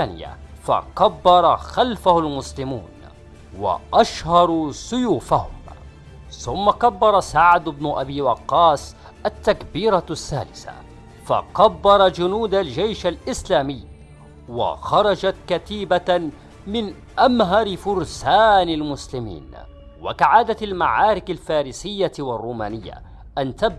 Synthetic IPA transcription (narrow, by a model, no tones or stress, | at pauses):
aːnɪ̰ja̰fa̰kabːɑɾˤɑxalfahalmʊslɪmṵːn | wa̰ʔaʃhɑɾˤusʊjuːfahʊm | θʊmːakabːɑɾˤɑsaʕd̪ʊbnʊʔabiːwɑqːɑːs | ʔat̪ːakbiːɾasːa̰ːlɪθa̰ | fa̰kabːɑɾˤɑd͡ʒʊnuːd̪ald͡ʒajʃalʔɪslaːmɪjː | wa̰xɑɾˤɑd͡ʒat̪kat̪iːba | mɪn | ʔamɦɑɾɪfʊɾsaːnalmʊslɪmḭːn | wa̰kaʕaːd̪aalmaʕaːɾɪkalfaːɾisɪjːawɑrˤːuːma̰ːnɪjːa̰ | ʔant̪ab